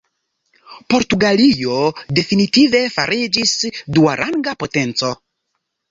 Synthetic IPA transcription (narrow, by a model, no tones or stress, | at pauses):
po̞ɾtuɡalijo̞de̞finitive̞faɾid͡ʒisduaɾʔaŋɡapo̞te̞nt͡so̞